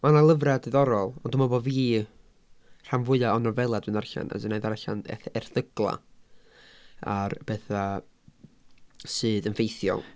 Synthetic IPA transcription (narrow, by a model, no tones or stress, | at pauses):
manalˠəvradɨðɔɾɔlˠɔndʊmɔbɔviː | r̥anvʊɨaɔnɔvɛlˠadwɨnarɬa̰na̰dɨneðarɬa̰nɛ̰θɛrθəɡlˠa̰ | arb̥eːθa | sɨːðənfejθjɔ̰lˠ